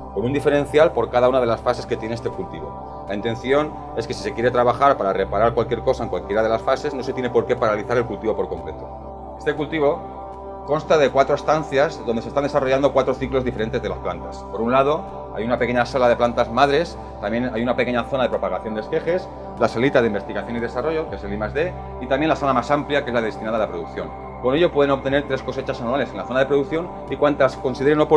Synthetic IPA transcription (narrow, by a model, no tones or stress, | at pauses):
ko̞nund̪ife̞ɾẽ̞n̟θjalpo̞ɾkaðaunað̞e̞lasfase̞ske̞t̪jeneest̪e̞kult̪iβo̞̰ | laint̪e̞nθjo̞n | e̞ske̞si̥se̞kje̞ɾet̪ɾaβaxaɾpaɾare̞paɾaɾkwalkje̞ɾko̞saeŋkwalkje̞ɾað̞e̞lasfase̞zno̞se̞t̪jne̞po̞ɾke̞paɾaliθaɾe̞lkult̪iβo̞po̞ɾko̞ŋkɾe̞t̪o̞ | e̞st̪e̞kult̪iβo̞ | ko̞nst̪aðe̞kwat̪ɾo̞est̪anθjazðond̪esest̪and̪e̞saro̞ʝand̪o̞kwat̪ɾoθiklo̞zðife̞ɾe̞nt̪ezðe̞lasplant̪aspo̞ɾunlað̞o̞ | a̰junapeke̞ɲasalað̞e̞plant̪azmaðɾe̞s | t̪amjenajunapeke̞ɲaθo̞naðe̞pɾo̞paɣaθjond̪e̞ske̞xe̞s | lasalit̪aðeimbet̪iɣaθjo̞niðe̞saro̞ʝo̞kee̞selimazðe̞ | it̪amje̞nlaθonamasampljake̞zlaðest̪inaðalapɾo̞ðukθjo̞n | ko̞ne̞ʎo̞pwe̞ðe̞not̪e̞ne̞ɾt̪ɾe̞sko̞se̞t͡ʃasanuale̞senlaθo̞naðepɾo̞ð̞ukθjo̞n | ikwant̪asko̞nsiðeɾenop